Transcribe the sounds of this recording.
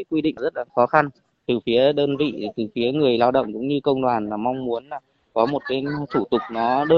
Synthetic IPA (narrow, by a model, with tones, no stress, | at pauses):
k̚wi˧ɗḭ˧˨ŋ˩zə˦˥t̚laː˨˦xɔ˨˦xa˧n | t̪ɨ˨˩fi˨˦əɗəː˧nvḭ˧˨t̪ɨ˨˩fi˨˦əŋɨ˨˩əjlaː˧wɗə̰˧˨ŋ͡mkʊ̰˧˥ŋ͡mɲɨ˧kə˧wŋ͡mɗwaː˨˩nlaː˨˩ma˧wŋ͡mmu˨˦ənlaː˨˩ | kɔ˨˦mo˨˩t̚kaː˨˦jt̪ʰu˧˩t̪ʊ˨˩k͡p̚nɔ˨˦ɗəː˧